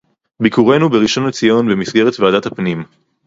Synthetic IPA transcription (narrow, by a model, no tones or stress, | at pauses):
bikuʁe̞nubeʁiʃo̞net͡sijo̞nbe̞misɡe̞ʁet̪vead̪at̪hapnim